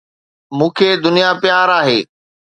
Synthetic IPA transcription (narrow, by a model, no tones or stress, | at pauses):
mũːkʰed̪ʊnijapjaːɾaːɦeː